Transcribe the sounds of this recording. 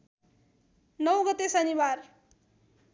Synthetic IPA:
nʌwɡʌt̪esʌniwar

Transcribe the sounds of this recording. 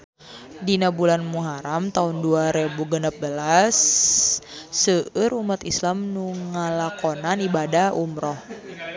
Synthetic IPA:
dinabulanmuɦaɾamt̪aʊnduaɾebuɡənap̚bəlas | əəɾumat̪islamnuŋəlakonanibadaumɾɔh

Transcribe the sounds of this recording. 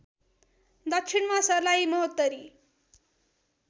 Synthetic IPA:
d̪ʌkt͡ʃʰinmasʌrlaimʌɦʌt̪ːʌɾi

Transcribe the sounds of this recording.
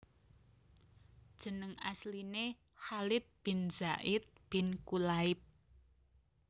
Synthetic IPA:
d̥ʒ̥ə̤nəŋasline | halɪt̪̚b̥i̤nzaʔɪt̪̚b̥ɪnkulaɪp̚

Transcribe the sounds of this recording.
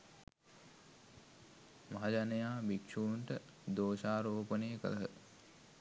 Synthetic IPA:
maɦad͡ʒanɐjaːbikʂunʈə | d̪oːʃaːɾoːpənəjəkələɦə

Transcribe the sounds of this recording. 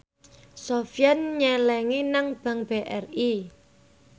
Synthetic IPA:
sofjanɲɛlɛŋinaŋb̥a̤ŋb̥eʔɛri

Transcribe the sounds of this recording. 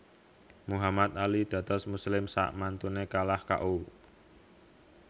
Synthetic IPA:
muɦamat̪̚alid̪̥ä̤t̪ɔsmuslɪmsa̰ʔmant̪unekalahka̰ʔu

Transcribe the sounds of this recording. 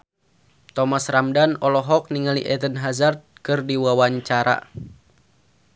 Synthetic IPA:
t̪ɔmasramdanɔlɔɦɔk̚niŋalḭʔɛdənɦazart̪̚kɨrdiwawaɲt͡ʃaɾa̰

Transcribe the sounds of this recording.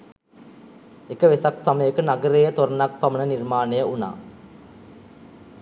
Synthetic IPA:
ekəʋesaksaməjəkənaɡəɾeːjət̪oɾɐnak̚pamənənirmaːnejəuna̰ː

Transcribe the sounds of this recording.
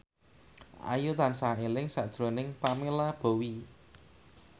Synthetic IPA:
ʔa̰jut̪ansaelɪŋsaʔd̥ʒ̥ɾo̤nɪŋpamelab̥o̤wi

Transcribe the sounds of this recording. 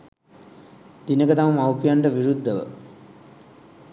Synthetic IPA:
d̪̥inɐkɐt̪ɐʋumɐwpjaɳɖɐʋiɾud̪ʱːɐʋə̰

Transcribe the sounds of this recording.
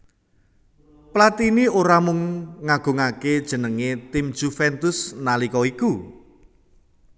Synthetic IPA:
plat̪inioɾamʊŋːaɡ̥o̤ŋaked̥ʒ̥ə̤nəŋet̪ɪmd̥ʒ̥ufɛnt̪ʊsnalikɔiku

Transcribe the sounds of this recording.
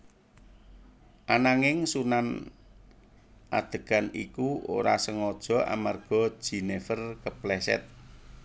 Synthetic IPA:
ʔanaŋɪŋsunan | ʔa̰d̪̥ə̤ɡ̥a̤nḭkuo̰ɾasəŋɔd̥ʒ̥ɔ̤ʔa̰marɡ̥ɔ̤̥ʒ̥i̤nefərkəplɛsɛ̰t̪̚

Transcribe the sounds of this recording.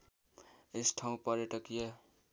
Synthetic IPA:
esʈʰaũpʌɾeʈʌkijʌ

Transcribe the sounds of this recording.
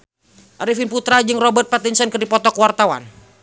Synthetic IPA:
ʔaɾifinput̪ɾad͡ʒɨŋrɔbərt̪̚pat̪insənkɨrdipɔt̪ɔkwart̪awa̰n

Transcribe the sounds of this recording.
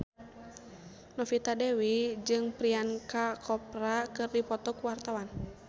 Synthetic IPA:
nɔfit̪adɛwid͡ʒɨŋpɾiankakʰɔpɾakɨrdipɔt̪ɔkuwart̪awan

